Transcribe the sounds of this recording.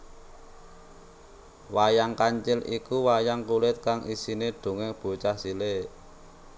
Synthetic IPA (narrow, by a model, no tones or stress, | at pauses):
wajaŋkaɲt͡ʃɪlikuwajaŋkulɪt̪̚kaŋʔisineɖ̥o̤ŋeb̥o̤t͡ʃahsile